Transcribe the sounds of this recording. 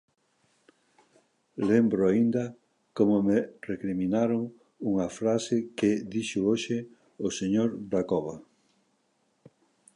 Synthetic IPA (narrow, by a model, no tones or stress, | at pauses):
lembɾʊaind̪ɐ | komʊmerekɾimĩnaɾoŋ | uŋɐfɾasɪkɪd̪iʃʊoʃɪ | oseɲoɾd̪akɔβɐ